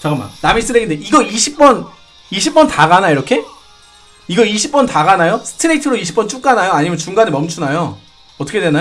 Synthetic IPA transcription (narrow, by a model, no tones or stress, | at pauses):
t͡ɕaɡɯma̰namis͈ɯɾeɡindeiɡʌiɕʰip̚p͈ʌn | iɕʰip̚p͈ʌntaɡanaiɾʌkʰe̞ | iɡʌiɕʰip͈̚ʌntaɡanajosʰɯ̥tʰɯɾetʰɯɾoiɕʰip͈ʌnt͡ɕ͈ʰuk͈anajoaɲimjʌnt͡ɕuŋɡanemʌmt͡ɕʰunajo | ʌt͈ʰʌkʰedwenajo